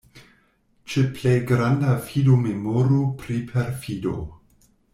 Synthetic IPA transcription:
t͡ʃeplejɡɾandafidomemoɾupɾipʰeɾfido̰

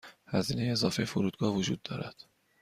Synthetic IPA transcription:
hæziːne̞jeːzɒːfejefoɾuːd̪̚ɡɒːhvod͡ʒṵːd̪ːɒːɾæd̪̥

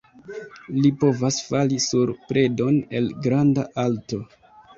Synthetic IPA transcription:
lipo̞vasfalisuɾpɾe̞do̞ne̞lɡɾandaʔalto̞

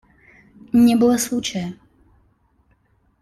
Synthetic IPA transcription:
ɲɛbɨlˠɐslut͡ʃɛ

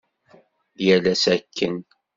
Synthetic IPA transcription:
jælæsækʰːən

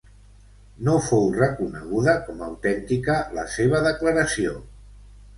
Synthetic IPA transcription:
nofowrəkunə̰ɣ̞uðəkɔməwt̪ɛnt̪ikələ̰seβ̞əðəkləɾəsio

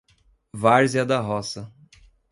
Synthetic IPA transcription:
vaɾziɐd̪ɐɦɔsɐ

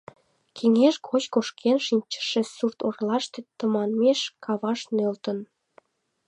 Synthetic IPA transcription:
kʰeŋeʃkot͡ɕkoʃkʰenʃinʲt͡ɕə̥ʃĕsurt̪orlɑʃt̪et̪əmɑnmeʃkʰɑβɑʃnølt̪ən

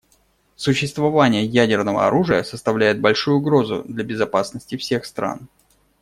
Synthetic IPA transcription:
sʊɕːɪst̪vɐvanʲɪjəjædʲɪrnəvə̰ɐ̰ɾuʐɨjəsəst̪ɐvlʲæjɪt̪̚bɐlʲʂujʊʊɡɾo̞zʊ̰d̪lʲɐbʲɪzɐpasnəsʲtʲɪfsʲe̞xst̪ɾa̰n

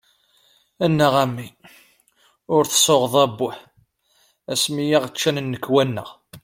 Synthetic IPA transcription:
ænːəʁæmːi | ʊɾθə̥sˤoʁðˤæbːʊħ | æsmijiʁt͡ʃːænnːəkːwænːə̰ʁ

